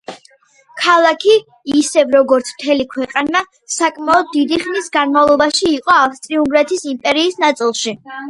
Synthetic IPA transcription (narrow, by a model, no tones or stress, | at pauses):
kʰalˠakʰiː | sɛvɾɔɡɔɾt̪sʰm̥t̪ʰɛlikʰwɛqʼana | sakʼmaɔd̪̚ːid̪iχnisɡanmavlˠɔbaʃiːqʼɔafst̪ʼɾiuŋɡɾat̪ʰisimpʼɛɾiːsnat̪sʼilˠʃi